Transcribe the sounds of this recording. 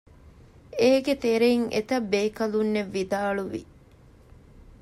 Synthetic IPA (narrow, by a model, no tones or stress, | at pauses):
eːɡet̪eɾeiŋḛt̪ɐbːeːkɐlunːeʋːid̪aːluʋḭ